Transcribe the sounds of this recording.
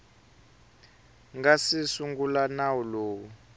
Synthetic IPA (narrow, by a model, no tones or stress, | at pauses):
ŋɡasisuŋɡulanawuloːwu